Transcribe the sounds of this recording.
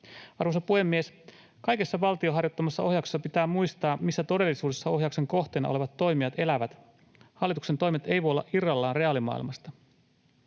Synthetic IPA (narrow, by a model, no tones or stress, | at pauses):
ɑrʋosɑpuhe̞mːies | kɑjkesːɑʋɑlt̪io̞ɦɑrjo̞t̪ːɑmɑsːɑo̞hjɑksesːɑpit̪æːmmujst̪ɑːmisːæt̪o̞de̞lːisuːde̞sːɑo̞ɦjɑukse̞ŋko̞ht̪enɑ̰ole̞ʋɑt̪ːo̞jmiɑt̪e̞læʋæt̪ | hɑlːit̪ukse̞nt̪o̞jmet̪e̞jʋoolːɑ̰ʔirːɑlːɑːnre̞ɑlimɑ̰ḭlmɑst̪ɑ